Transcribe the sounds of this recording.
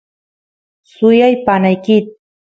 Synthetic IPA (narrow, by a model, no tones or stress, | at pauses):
sʊjajpanajkɪt̪̚